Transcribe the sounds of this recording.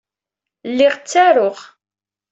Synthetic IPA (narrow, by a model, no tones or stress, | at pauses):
lːɪʁt͡sːæɾʊʁ